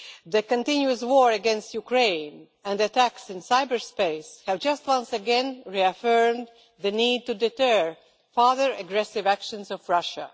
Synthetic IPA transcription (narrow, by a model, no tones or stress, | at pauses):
ðɨkə̃ntɪ̃njuɨs̬wɔɹɨɡɛ̃nstjukɹẽɪ̃n | ɨ̃nɨtæksɪ̃nsaɪbə˞speɪshɨvd͡ʒʌst̚wʌ̃nsɨɡɛ̃nɹiɨfɜ˞m | ðɨniːd̚tudɨtɜ | fɑðə˞ɨɡɹɛsɪvækʃɨ̃nzɔvɹʌʃə̰